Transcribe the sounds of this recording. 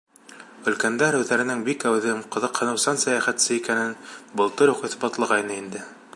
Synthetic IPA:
ɵ̆lkænd̪æɾʉðæɾɘ̆nɘŋbikæwðɘmqɤ̆ðɤ̆qhɤ̆nɤ̆wsɑnsæjæχæt̪sɘikænɘnbɤ̆lˠt̪ɤɾuqĭθbɑt̪lˠɑʁɑjnɤind̪ɘ

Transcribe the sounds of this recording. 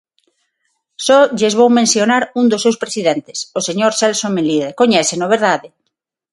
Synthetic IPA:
soʎezβowmẽnsjonaɾund̪osːewspɾesiðent̪e̥soseɲoɾselsomeliðekoɲɛθenoβ̞eɾðaðe

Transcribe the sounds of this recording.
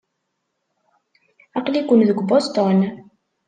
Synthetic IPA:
ɑqlikʷʊnðəɡʷbost̪ɔn

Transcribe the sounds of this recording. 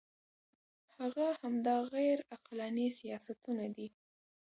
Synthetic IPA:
haɣahamd̪ɑɣajɾaqlanisijɑsat̪unad̪i

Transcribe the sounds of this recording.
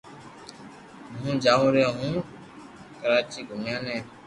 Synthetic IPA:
mũːd͡ʒaːũːɾɛːɦũː | kəɾaːt͡ʃiːɡʱʊmjãːnɛ̃ː

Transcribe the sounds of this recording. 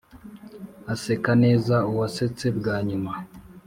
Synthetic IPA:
ase̞kane̞ːzauwase̞t͡se̞bɡaːɲuma

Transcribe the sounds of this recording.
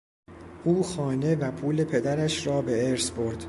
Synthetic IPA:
ʔuːxɒːne̞væpʰuːle̞pʰe̞d̪æɾæʃɾɒːbe̞eɾsbo̞ɾd̪̥

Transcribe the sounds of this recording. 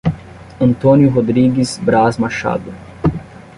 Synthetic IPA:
ɐ̃nt̪oniʊɦod̪ɾiɡizbɾazmaʃa̰d̪ʊ

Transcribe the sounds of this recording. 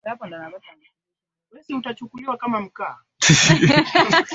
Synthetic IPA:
japɔndanabatana | lɛsiutat͡ʃukuliwakamam̩ka

